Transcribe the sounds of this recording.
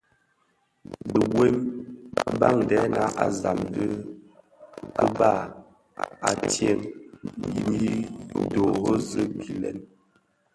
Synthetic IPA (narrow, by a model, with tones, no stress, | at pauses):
də˨ɡwe˦m | ba̰˦˨ŋdɛ˨˦na˨˦ʔa˨za˨mdə˦ | kə˦ba˦˨ | a˨tje˦˨ŋji˨mi˦do˨ɣo˦zə˦ki˨lɛ˨n